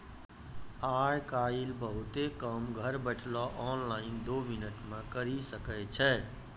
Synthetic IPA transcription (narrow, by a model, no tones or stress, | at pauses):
ajkailbəɦut̪ekəmɡʱəɾbəʈʰlɔʔɔnlaɪnd̪ominəʈmẽkəɾisəkɛt͡ʃʰɛ